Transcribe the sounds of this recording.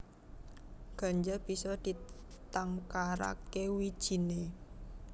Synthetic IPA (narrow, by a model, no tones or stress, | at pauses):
ɡ̥a̤ɲd͡ʒab̥i̤sɔd̪̥i̤t̪aŋkaɾa̰kewi̥ʒ̥i̤ne